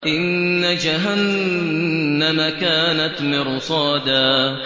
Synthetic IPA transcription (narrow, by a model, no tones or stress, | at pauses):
ʔɪnːad͡ʒaɦanː | amakaːnat̪mɪɾsˤɑːd̪aː